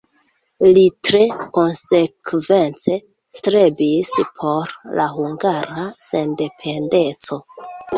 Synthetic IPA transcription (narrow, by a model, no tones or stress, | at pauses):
litɾe̞ko̞nse̞kve̞nt͡se̞ | stɾe̞bispʰo̞ɾlaɦuŋɡaɾase̞nde̞pʰe̞nde̞t͡so̞